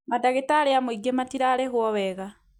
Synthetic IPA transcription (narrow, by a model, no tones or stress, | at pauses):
madaɣetaleamuiɡematiɾalexwoβeɣa